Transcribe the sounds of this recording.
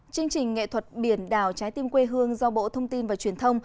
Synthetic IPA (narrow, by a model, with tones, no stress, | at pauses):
t͡ɕɨ˧əŋt͡ɕï˨˩ŋ̟ŋːḛ˧˨t̪ʰwə˨˩t̚ɓi˧˩ənɗaː˨˩wt͡ɕaː˨˦jt̪i˧mkwe˧ɦɨ˧əŋzɔ˧ɓo̰˧˥t̪ʰə˧wŋ͡mt̪i˧nvaː˨˩t͡ɕwi˨˩ənt̪ʰə˧wŋ͡m